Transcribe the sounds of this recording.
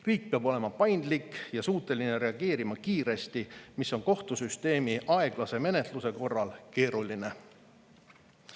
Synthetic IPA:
riːk̚peɑbo̞le̞mɑpɑjnd̪likːjɑsuːt̪ːˑe̞line̞ɾe̞ɑɡ̥e̞ːɾimɑkiːɾe̞st̪imisːo̞nko̞ht̪usyst̪e̞ːmiʔɑe̞ɡ̥lɑse̞me̞ne̞t̪ˑluse̞ko̞rːɑlke̞ːɾuline

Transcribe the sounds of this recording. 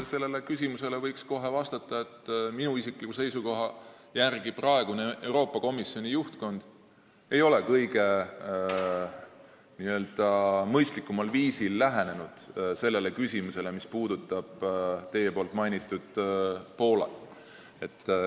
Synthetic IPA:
se̞lːele̞kysʲimuse̞le̞vɤjksko̞ɦe̞vɑst̪ɑt̪ːˑɑe̞t̪ːminuisikˑlikuse̞jsuko̞ɦɑ | jærɡ̥iprɑe̞ɡ̥unee̞wɾo̞ːpːˑɑko̞misjo̞nʲijuht̪ko̞nd̪̥ | e̞jo̞le̞kɤjɡe̞ | niø̞ːld̪̥ɑmɤjst̪likˑːumɑlviːsilːæɦe̞ne̞nud̪̥se̞lːe̞le̞kysʲimuse̞le̞mispuːd̪̥ut̪ˑːɑb̥t̪e̞jepoːlt̪ˑmɑjnit̪ːˑud̪̥po̞ːlɑ̰ | e̞t̪ːˑ

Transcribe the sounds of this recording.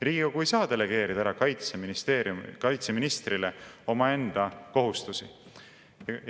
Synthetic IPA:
riːɡɑkuejsɑːd̪̥e̞le̞ɡ̥e̞ːɾid̪̥æɾɑkɑjt̪seminist̪e̞ːɾjumkɑjt̪se̞minist̪rileo̞mɑe̞nd̪̥ɑko̞ɦust̪usi

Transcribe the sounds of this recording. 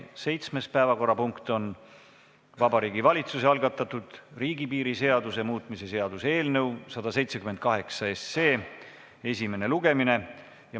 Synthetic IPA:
se̞jt̪sme̞spæevɑko̞rːɑpuŋkt̪o̞n | vɑbɑɾiːɡivɑlʲit̪suseɑlɡ̥ɑt̪ːˑɑt̪ːˑud̪̥riːɡipiːɾise̞ɑd̪use̞muːt̪mise̞se̞ɑd̪̥usee̞ːlnɤ̞wsɑd̪̥ɑse̞jt̪se̞kyme̞nt̪̚kɑɦe̞ksɑesːe̞ː | e̞sʲime̞ne̞luɡ̥e̞mine̞ | jɑ

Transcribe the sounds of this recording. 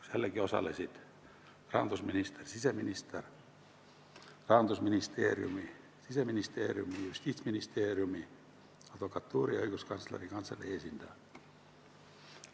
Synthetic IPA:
siælːækiosɑ̰lːesit̪ | rɑ̰ːnt̪usminist̪ersisæminist̪er | rɑːnt̪usminist̪ḛːrjṵmi | sisæminist̪ḛːriumijust̪iːt̪sminist̪eːriumi | ɑt̪ʋokɑt̪ːuːrioikuskɑnslḛriŋkɑnsːɑlːḛesint̪æː

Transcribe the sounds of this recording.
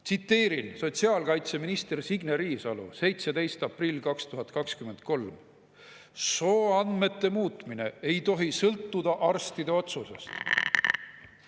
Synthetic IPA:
t̪sit̪ːe̞ːɾinso̞t̪ʲsiɑːlkɑjt̪se̞minist̪ersiɡneɾiːsɑlṵse̞jt̪sed̪e̞jst̪ɑprilʲkɑkst̪uɦɑt̪kɑkskyme̞nd̪̚ko̞lm | so̞ːɑnd̪me̞t̪ːe̞muːt̪mine̞̰e̞jt̪o̞ɦisɤlt̪ːud̪̥ɑʔɑrst̪id̪e̞o̞t̪suse̞̰st̪

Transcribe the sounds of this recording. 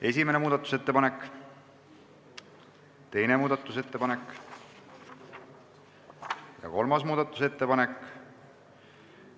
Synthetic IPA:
e̞s̬ʲimenemuːd̪̥ɑt̪ːˑu̥se̞t̪ːepɑne̞kːˑ | t̪e̞jne̞muːd̪̥ɑt̪ːˑuse̞t̪ːe̞pɑne̞kː | jɑ̰ko̞lmɑsmuːd̪̥ɑt̪ːˑu̥se̞t̪ːepɑne̞k

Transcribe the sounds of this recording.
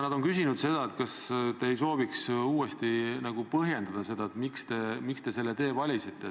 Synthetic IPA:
nɑd̪̥o̞nkysinud̪̥se̞d̪̥ɑet̪kɑst̪e̞ːejso̞ːviksuːe̞st̪inɑɡ̥upɤɦje̞nd̪ɑd̪̥ɑse̞d̪ɑet̪mikst̪e̞mikst̪e̞se̞lːet̪e̞ːvɑlʲisit̪ːˑe

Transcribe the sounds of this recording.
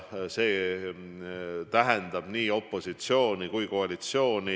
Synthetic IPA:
se̞ː | t̪æɦɛnd̪̥ɑb̥niːo̞pˑːo̞sit̪sio̞ːnikujko̞ɑlit̪sio̞ːni

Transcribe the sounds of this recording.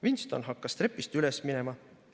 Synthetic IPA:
vinst̪o̞nɦɑkːɑst̪ɾe̞pːˑist̪ylɛsminemɑ

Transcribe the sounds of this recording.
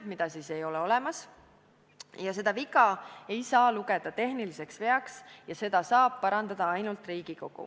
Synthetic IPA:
mid̪̥ɑsiːse̞jo̞lɛo̞lɛmɑs | jɑse̞d̪ɑvikˑɑe̞jsɑːluɡe̞d̪̥ɑt̪e̞ɦnilise̞ksve̞ɑksjɑse̞d̪̥ɑsɑːb̥̚pɑɾɑnd̪ɑd̪̥ɑɑjnult̪ˑriːɡ̥iko̞ɡ̥ṵ

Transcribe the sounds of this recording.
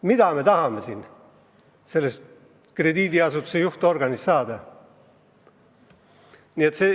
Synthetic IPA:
mid̪̥ɑme̞t̪ɑhɑmesin | se̞lːest̪ | kre̞d̪iːd̪iɑsut̪ːu̥sejuht̪o̞rɡɑnisːɑːd̪̥ɑ | niːe̞t̪se

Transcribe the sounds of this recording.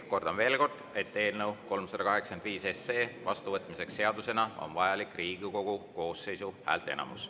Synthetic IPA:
ko̞rd̪̥ɑmve̞ːlko̞rd̪̥e̞t̪ːe̞ːlnəwko̞lmsɑd̪̥ɑkɑɦe̞ksɑend̪viːse̞se̞ːvɑst̪uvɤt̪ːˑmise̞ksːe̞ɑd̪use̞nɑo̰nvɑjɑlikːˑriːɡ̥iko̞ɡ̥uko̞ːsːe̞jsuhæ̰ːlt̪e̞̰nɑ̰mṵs

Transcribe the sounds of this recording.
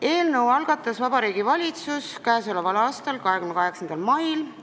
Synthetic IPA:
e̞ːlnɤwɑlɡ̥ɑt̪ːˑɑsvɑb̥ɑɾiːɡ̥ivɑlʲit̪suskæːsolevɑlɑːst̪ɑlkɑɦekymnekɑɦe̞ksɑnd̪̥ɑlmɑjl

